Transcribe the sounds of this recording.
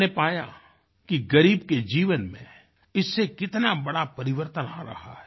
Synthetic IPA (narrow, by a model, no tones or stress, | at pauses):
nepaːja̰ | kiɡɐɾiːb̚ked͡ʒiːʋənmḛ̃ | ɪsːekɪt̪nabɐɽapɐɾɪʋəɾt̪əna̰ːɾɐ̰ɦa̰ɦɛː